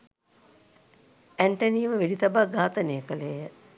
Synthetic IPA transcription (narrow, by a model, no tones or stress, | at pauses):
æɳʈɐniːʋəʋeɖit̪abaɡʱaːt̪ənejəkəleːjə